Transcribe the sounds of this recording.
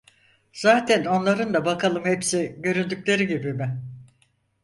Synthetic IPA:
z̥aːt̪ʰæno̞nlˠaɾɯnd̪abakʰalˠɯmhepsiɟø̞ɾynd̪yclʲe̞ɾiɟibimɪ

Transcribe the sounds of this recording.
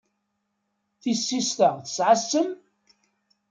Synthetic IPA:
θisːist̪əʁθə̥sʕasːəm

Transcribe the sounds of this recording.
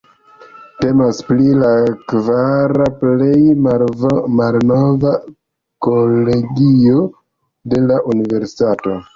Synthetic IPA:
te̞masplilakvaɾaplej | malnova | kole̞ɡio̞ | de̞laʔunive̞ɾsi̥tato̞

